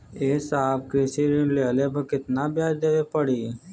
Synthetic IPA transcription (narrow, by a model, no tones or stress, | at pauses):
eːsaːbkisiɾĩleːlepəkɪt̪nabjaːd͡ʒd̪eʋepəɽi